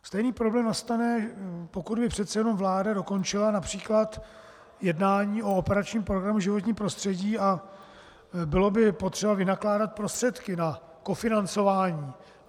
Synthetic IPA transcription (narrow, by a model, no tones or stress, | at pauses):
st̪ɛjniːpɾoblɛːmnast̪anɛpo̞kud̪bɪpr̝̥ɛt̪sɛjɛno̞mvlaːdado̞ko̞nt͡ʃɪlanapr̝̥iːklat̪ | jɛdnaːɲiːʔo̞opɛɾat͡ʃɲiːmpɾoɡɾamuʒɪvo̞t̪̬ɲiːmpɾo̞st̪r̥ɛɟiːa | bɪlo̞bɪpo̞t̪r̥ɛbavɪnaklaːdat̪̚pɾo̞st̪r̥ɛt̪kɪna | ko̞fɪnant͡so̞vaːɲiː